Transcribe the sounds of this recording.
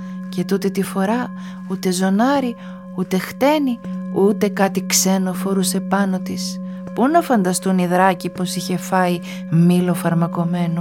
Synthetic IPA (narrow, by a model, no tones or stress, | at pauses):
ce̞t̪ut̪et̪ifo̞ɾɐ | ut̪e̞zo̞nɐɾi | ut̪e̞xt̪e̞niut̪e̞kɐt̪ikse̞nofo̞ɾuse̞pɐno̞t̪is | punɐfɐnd̪ɐst̪uniðɾɐcipo̞siçe̞fɐi | milo̞fɐɾmɐko̞me̞no